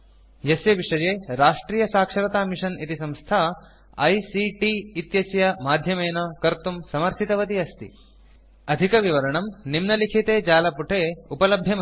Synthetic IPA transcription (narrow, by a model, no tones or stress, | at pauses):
jeseʋiʂɐjeːɾaːʂʈɾiːjɐsaːkʂɐɾɐt̪aːmiʂɐnit̪isɐ̃mst̪ʰaɐ | ɐjsiʈiːt̪jɐsjɐmaːd̪ʱjɐmeːnɐkɐɾt̪umsɐmɐɾsit̪ɐʋɐt̪iɐst̪ḭ | ɐd̪ʱikɐʋiʋɐɾɐɳɐmnimnɐlikʰit̪eːd͡ʒaːlɐpuʈʰeːupɐlɐbʱjɐm